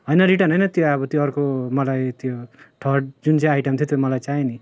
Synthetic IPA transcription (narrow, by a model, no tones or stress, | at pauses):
ɦʌjnʌɾiʈanʌjnʌt̪joʌbʌt̪joʌrkomʌlajt̪joʈʰʌʈ̚d͡zunt͡sãajʈʌmt̪ʰot̪jomʌlajt͡saini